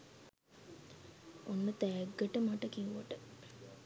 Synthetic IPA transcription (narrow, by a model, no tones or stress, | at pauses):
onːət̪æːɡːəʈəmaʈəkiuʋəʈə